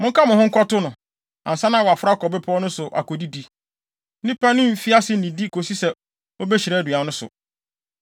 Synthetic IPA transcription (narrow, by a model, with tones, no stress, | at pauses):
mʊ̃˦ŋ̩˦kʰa˦mʊ̃˨hʊ̃˦ŋ̩˦kʰɔ˦tʊ˦nʊ̃˨ | ã̰˨n˨sã˦nã˦˨wa˨fʊ˦ɾa˦kʰɔ˨bɪ˦pʰɔ˦nʊ̃˦sʊ˨ʔa̰˨ko˨di˦di˨˦ | nɪ̃˦pa˦nʊ̃˦m̩˨fi˦a˦sɪ˦nĩ˨di˦kʰo˨si˦sɛ˨ | o˦bɛ˦ɕi˨ɾɛ˦dɥa˨nʊ̃˦sʊ̰˨